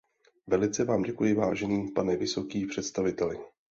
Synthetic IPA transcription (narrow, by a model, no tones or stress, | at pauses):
vɛlɪt͡sɛvaːmɟɛkujɪvaːʒɛniːpanɛvɪso̞kiːpr̝̥ɛt̪st̪avɪt̪ɛlɪ